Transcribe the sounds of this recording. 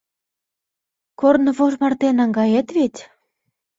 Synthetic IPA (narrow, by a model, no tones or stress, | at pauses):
kornɤ̆βoʒmɑrt̪enɑŋɡɑjet̪βet̪ʲ